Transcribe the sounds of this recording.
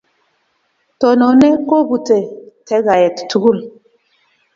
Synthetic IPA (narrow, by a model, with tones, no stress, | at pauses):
tɔ˨nɔ˨nɛ˦ko˦bu˨tɛ˨tɛ˦ɣa˨jɛ˨ttu˨ɡu˦˨l